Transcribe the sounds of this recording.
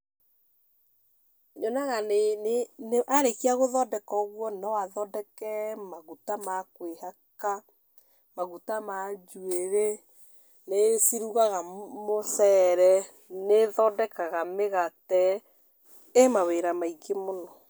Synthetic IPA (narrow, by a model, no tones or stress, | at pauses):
ɲɔnaɣaneneʔaɾekiaɣoðɔdɛkɔɣwɔnɔwaðɔdɛkɛmaɣutamakwehaka | maɣutamad͡ʒueɾe | nesiɾuɣaɣamosɛɾɛ | neðɔdɛkaɣameɣatɛ | emaweɾamaiɡemonɔ